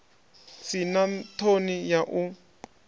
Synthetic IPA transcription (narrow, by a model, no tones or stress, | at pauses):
sinatʰonijaʔu